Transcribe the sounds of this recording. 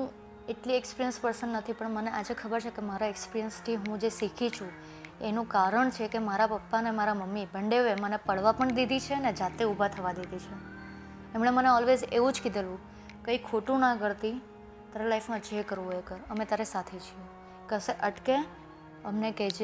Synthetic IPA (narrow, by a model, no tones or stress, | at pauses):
ɦũ | eʈliekspiɾijənspəɾsənːət̪ʰipəɳməneʔad͡ʒekʰəbəɾt͡ʃʰekemaɾaekspiɾiənsʈʰiɦũd͡ʒesikʰit͡ʃʰũ | enũkaɾəɳt͡ʃʰekemaɾapəpːanemaɾaməmːibʱəɳɖeʋemənepəɽ̤ʋapəɳd̪id̪it͡ʃʰeəned͡ʒat̪eubʱat̪ʰəʋad̪id̪it͡ʃʰe | emɽ̃eməneɔlʋed͡ʒeʋũd͡ʒkid̪elũ | kəikʰoʈũnãɡəɾt̪i | t̪aɾelaifmãd͡ʒekəɾʋũɦojekəɾəmẽt̪aɾesat̪ʰet͡ʃʰie | kəseʔəʈke | əmnekɛd͡ʒe